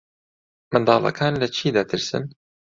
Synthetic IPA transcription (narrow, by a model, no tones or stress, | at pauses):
mɨnd̪ɑːvɐ̰kʰaːnlɐt͡ʃʰiːd̪ɐt̪ʰɨɾsɨ̰n